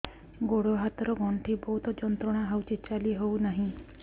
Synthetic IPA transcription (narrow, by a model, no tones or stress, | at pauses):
ɡoɽɔɦat̪ɾɔɡʱɔɳʈʰibɔɦut̪ɔd͡ʒɔnt̪ɾɔɽ̃aɦawt͡ʃit͡ʃaliɦownaɦĩ